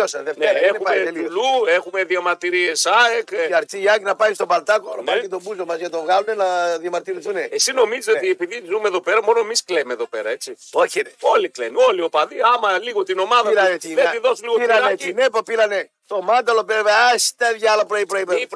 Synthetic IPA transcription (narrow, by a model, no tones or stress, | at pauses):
osɐðeftneɾɐeneupɐeliluexumeðiɐmɐɾt̪iɾie̞saekiɐɾt͡s̪iɐknɐpɐjist̪o̞bɐlt̪ɐkoɾopɐkit̪o̞buzomɐzʝɐt̪o̞vɣɐlunenɐðiɐmɐɾt̪iɾiθuneesino̞mizisot̪iepiðizumeðo̞peɾɐmo̞no̞emisklemeðo̞peɾɐe̞t͡si | oçineo̞liklenio̞liopɐðiɐmɐliɣot̪ino̞mɐðɐiɾɐneiðet̪iðo̞suliɣopiɾɐnainepopiɾɐnest̪omɐnd̪ɐlopeɾveɐst̪ɐðʝɐlopɾoipɾoipe